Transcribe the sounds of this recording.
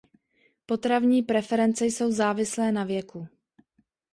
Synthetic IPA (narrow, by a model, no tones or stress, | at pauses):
po̞t̪ɾavɲiːpɾɛfɛɾɛnt͡sɛjso̞wzaːvɪslɛːnavjɛku